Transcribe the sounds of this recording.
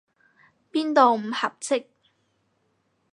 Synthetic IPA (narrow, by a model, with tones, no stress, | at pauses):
piː˥nt̪o˨wm̩˨˩hɐ˨p̚t͡sɪ˥k̚